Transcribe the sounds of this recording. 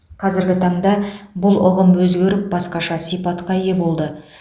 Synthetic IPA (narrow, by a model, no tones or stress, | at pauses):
qʰɑzɪɾɡʲɪt̪ʰɑɴd̪ɑbʊlˠʊʁəmwɵzɡʲe̞ɾɪp̚bɑsqɑʃɑsijpɑt̪qɑje̞bo̞lˠd̪ə